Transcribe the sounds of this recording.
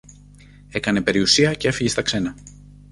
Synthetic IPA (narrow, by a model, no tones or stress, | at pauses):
e̞kɐne̞pe̞ɾiusiɐcee̞fiʝest̪ɐkse̞nɐ